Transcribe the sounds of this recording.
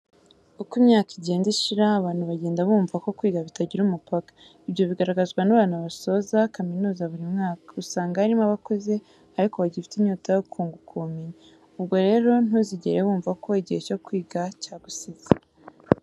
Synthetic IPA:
ukimɲaːkiɟe̞ːndiʃiɾaːβaːn̥huβaɟe̞ːndaβuːɱvako̞kwiːɡaβitaɟiɾumupakḁ | iβjo̞βiɡaɾaɡazɡwanaβaːnaβaso̞zakaminuːzaβuɾimŋaːkḁusaːŋɡaaɾimaβako̞ze̞ | aɾiko̞βaɟifi̥tiɲuːtajokʰuːŋɡukʰumiɲe | ub̚ɡo̞ɾe̞ːɾo̞nuziɟḛɾeβuːɱvako̞iɟihe̞co̞kwiːɡacaːɡusiz̥a

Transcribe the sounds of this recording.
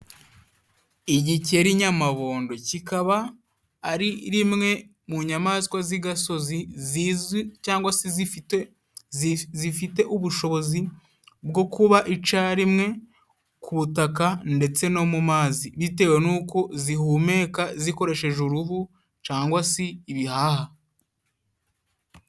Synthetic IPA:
iɟiceɾiɲamaβo̞ːndo̞cikaβaː | ɾiɾimŋe̞ | muɲamazikwaziɡaso̞zizizicaːŋɡwasiz | zifite̞ʔuβuʃo̞βo̞zi | bɡo̞kuβaʔit͡ʃaɾimŋe̞ | kʰuβutakande̞t͡se̞no̞mumaːziβite̞ːwe̞nuːko̞zihume̞ːkaziko̞ɾe̞ʃe̞ʒuɾuɦu | caːŋɡwasiːβihaːha

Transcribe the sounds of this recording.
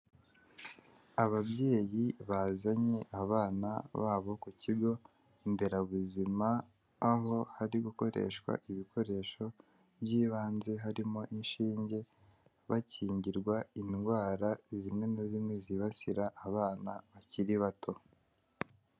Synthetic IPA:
aβaβje̞ːjiβazaɲe̞ʔaβaːna̰βa̰ːβo̞kuciɡo̞ | inde̞ɾaβuzimaː | ɦo̞haɾiɡuko̞ɾe̞̰ʃkwa̰ʔiβikʰo̞ɾe̞ʃo̞ | bjiːβaːnze̞ɦaɾimo̞ʔinʃiːɲɟe̞ | βaciːɲɟiɾɡwainɡwaːɾazimŋe̞nazimŋeziβasiɾaʔːβaːnaβaciɾiβatʰo̞

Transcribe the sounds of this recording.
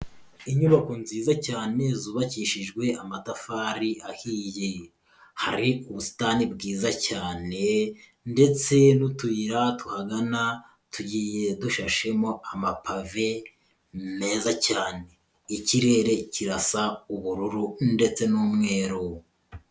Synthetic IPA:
iɲuβako̞nziːzacaːne̞zuβaciːʃiʒɡwe̞amatafaɾiʔahiːje | haɾiuβusi̥tanibɡiːzacaːne̞ | nde̞t͡se̞nutuiɾatuhaɡana | tʰuɟiːje̞duʃaʃe̞mo̞amapave̞ | me̞ːzacaːne̞ | iciɾe̞ːɾe̞ciɾasauβuɾuɾunde̞t͡se̞nuːmŋe̞ːɾo

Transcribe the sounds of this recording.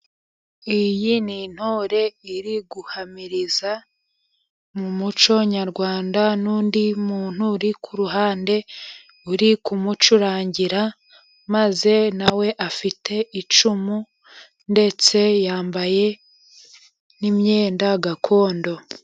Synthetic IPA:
ijinin̥hoɾe̞iɾiɡuhamiɾiza | mumut͡ʃo̞ɲaɾɡwaːndanuːndimuːn̥huɾikʰuɾuɦaːnde̞ | uɾikumut͡ʃuɾaːɲɟiɾa | maze̞nawe̞ʔafitʰe̞it͡ʃumu | nde̞t͡se̞jaːmbaje̞ | nimɲeːndaɡakʰo̞ːndo̞

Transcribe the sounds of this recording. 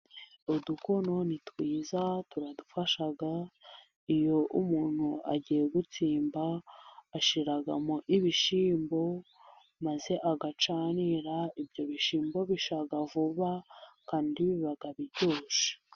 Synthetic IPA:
oduko̞no̞nitwiːzatuɾadufaʃaɡa | ijo̞ʔumuːn̥huʔa̰ɟiːje̞ɡut͡siːmbaː | ʃiɾaɡa̰moʔiβiʃiːmbo̞ | maze̞ʔaɡat͡ʃaːniɾaibɟo̞βiʃiːmbo̞βiʃaɡavuβakaːndiβiβaɡaβiɾɟo̞ːse̥

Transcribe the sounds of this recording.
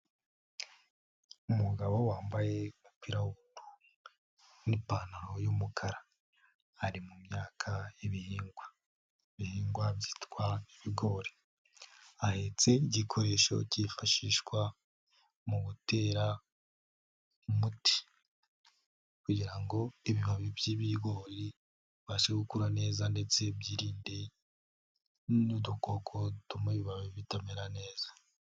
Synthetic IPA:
umuɡaβo̞waːmbaje̞umupiɾawuβuntu | nipaːnaɾo̞jumukʰaɾa | haɾimumɲaːkʰaiβihiːŋɡwa | iβihiːŋɡwabji̥tkwaiβiɡo̞ːɾe | ahe̞t͡se̞iɟikʰo̞ɾe̞ːʃo̞̰cifaʃiʃkwa | muβute̞ːɾa | umuti̥ | kuɟiɾaŋɡo̞iβiβaβibjiβiɡo̞ːɾi | βaʃeɡukuɾane̞ːzande̞t͡se̞bjiːɾiːnde̞ | nudukokʰo̞tumuβiβaβiβitameɾane̞ːzḁ

